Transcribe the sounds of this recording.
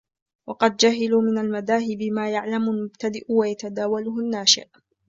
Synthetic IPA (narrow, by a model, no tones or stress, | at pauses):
wɑqɑd̪̚d͡ʒaɦɪluːmɪnalmaðaːɦɪbɪmaːjaʕlamʊlmʊbt̪ad̪ɪʔwajat̪ad̪aːwalʊhʊnːaːʃɪ̰ʔ